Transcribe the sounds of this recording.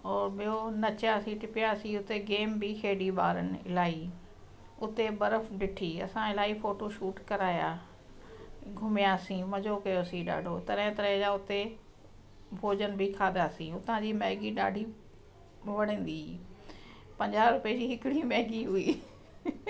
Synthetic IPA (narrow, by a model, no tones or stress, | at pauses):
ɔːɾɓijonɐt͡ɕjaːsĩʈɪpijasĩʊt̪eɡeːmbikʰeːɗiʋa̰ːɾənɪ̆ɪ̰laːi | ʊt̪ebɐɾəfɗɪʈʰiːɐ̰sãɪlaːifoːʈoʃuːʈkɐɾaːjaː | ɡʱʊmɪjaːsĩmɐd͡ʑokɐjoɐsĩɗa̰ːɖʱot̪ɐɾəɦɪ̃t̪ɐɾəɦɪ̃d͡ʑaːʊt̪e | bʱoːd͡ʑənɪ̆bʱɪkʰaːd̪aːsĩʊt̪ãd͡ʑiːmɛːɦɡiɗa̰ːɖʱi | ʋɐɽ̤ə̃ːnd̪i | pɐ̃ɲd͡ʑaːɾʊped͡ʑiːɦɪkɪɽ̃imɛːɡiɦʊiː